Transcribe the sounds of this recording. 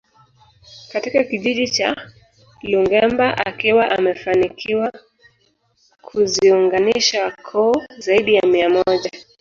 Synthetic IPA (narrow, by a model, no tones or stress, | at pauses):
katikakiʄiʄit͡ʃa | luŋɡɛmbaʔakiwaʔamɛfanikʰiwa | kʰuziuŋɡaniʃakʰɔːzaiɗijamiamɔʄa